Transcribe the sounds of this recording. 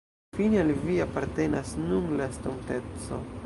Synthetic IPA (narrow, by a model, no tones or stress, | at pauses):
finalviapaɾt̪e̞nasnunlast̪ontet͡so̰